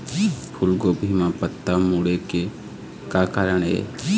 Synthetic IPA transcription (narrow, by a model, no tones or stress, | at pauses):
pʰʊlɡoːbʱiːmãpət̪ːamuɽeke | kaːkaːɾəɳ̃ɦḛː